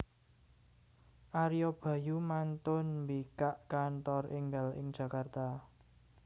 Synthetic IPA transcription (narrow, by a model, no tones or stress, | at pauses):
ʔaɾijɔb̥ä̤jumant̪ʊnmbikaʔkant̪ɔrʔɪŋɡalɪ̰ŋ̥d͡ʒ̥a̤kart̪a